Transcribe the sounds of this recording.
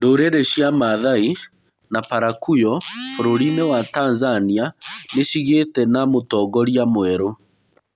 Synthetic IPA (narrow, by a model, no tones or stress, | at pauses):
ndoːɾeɾeɕiamaðai | napaɾakujɔfoɾoɾinewataːnzanianeʃiɣetɛnamotɔːɡɔɾiamwɛɾo